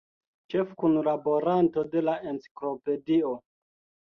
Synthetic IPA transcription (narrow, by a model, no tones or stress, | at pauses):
t͡ʃe̞fkunlabo̞ɾanto̞de̞laent͡si̥klo̞pe̞dio